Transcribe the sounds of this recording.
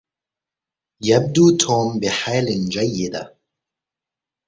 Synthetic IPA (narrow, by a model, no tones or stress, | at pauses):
jab̚d̪uːt̪ʰoːmbɪħalɪnd͡ʒajːɪd̪a̰